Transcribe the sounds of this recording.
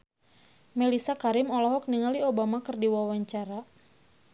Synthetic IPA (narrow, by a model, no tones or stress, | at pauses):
melisakaɾɪmɔlɔɦɔk̚niŋaliobamakɨrdiwawaɲt͡ʃaɾa